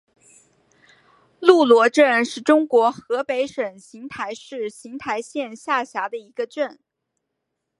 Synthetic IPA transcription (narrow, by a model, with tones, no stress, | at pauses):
lu˥˩lwɔ˧˥ʈ͡ʂə˥˧nʂɻ̩˥˩ʈ͡ʂʊ˥ŋkwɔ˧˥xɤ˧˥pe˧˥ɪʂə˨˩nɕi˧˥ŋt̪ʰa˧˥ɪʂɻ̩˥˩ɕi˧˥ŋt̪ʰa˧˥ɪɕjɛ˥˧nɕja˥˩ɕja˧˥d̪ə˧i˧˥ɡə˧ʈ͡ʂə˥˩n